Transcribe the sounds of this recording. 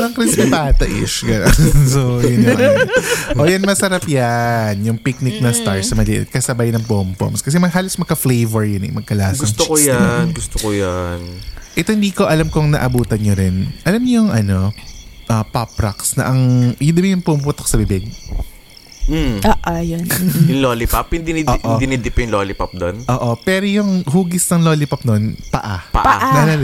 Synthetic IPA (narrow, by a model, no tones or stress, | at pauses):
ʔɐŋkɾɛsmipat̪ɐʔɪ̰ʃɡɐnonnsojʊnɐʔʔoːjɐnmɐsɐɾapjanjʊŋpik̚nɪk̚nɐst̪aɹsɐmɐlɪʔɪ̰t̪̚kɐsɐbajnɐŋpompo̰mskɐs̬ɛmɐɦaːlosmɐɡ̚kɐflejvɛɹjʊnɪ̰jmɐɡ̚kɐlaːsɐstt͡ʃokojanɡʊst̪okojanʔɛt̪oɪnd̪iːko̞ʔɐlamkoŋnɐ̰ʔɐbuːt̪ɐnɲoɾɪnʔɐlamɲjʊŋɐno̞ʔɐpɐpɾɐksnɐ̰ʔɐŋjʊnd̪ɐbɪjʊŋpompʊt̪ko̥sɐbɪbɪɡ | oːʔojonjʊŋloːlipaphɪnd̪inɪdʔoːʔonɪnɪd̪ɪpjʊŋloːlɪpɐp̚d̪onʔoːʔo̞pɛːɾojʊŋhuːɡɪsnɐŋloːlɪpɐp̚nonpɐʔapɐ̰ʔpa̰ʔnɐlɐl